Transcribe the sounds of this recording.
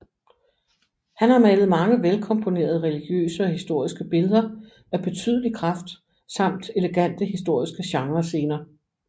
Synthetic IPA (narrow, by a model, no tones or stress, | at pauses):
hænhɑ̈mælð̩ˠmɑ̈ŋəʋelkʰɒ̽mpʰo̝ne̝̰ːɐð̞ˠəʁɛliɡ̥jø̰ːsəɒ̽hisd̥o̝ɐ̰isɡ̥əb̥e̝lð̞ˠɐ | æb̥e̝t͡sʰy̰ːð̞ˠəlikʰʁɑfd̥ | sɑ̈m̰d̥e̝leɡ̥æn̰d̥əɦisd̥o̝ɐ̰isɡ̥əɕɑ̈ŋʁɐse̝ːnɐː